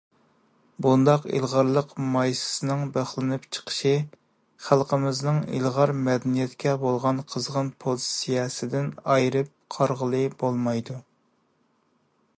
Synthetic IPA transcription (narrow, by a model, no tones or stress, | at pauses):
bund̪ɑqḭlˠʁɑɾlˠəqmɑjsɨ̥sɨnɨŋbæχlˠɪnɨpt͡ʃʰə̥qʰə̥ʃi | χælˠqəmɪznɨŋḭlˠʁɑɾmɛd̪ɛnijɛt̪kʲʰɛbolˠʁɑnqʰəzʁənpʰozsijɑːsɪd̪ɪnɑjɾɨp̚qʰɑɾʁəlˠɨbolˠmɑjd̪u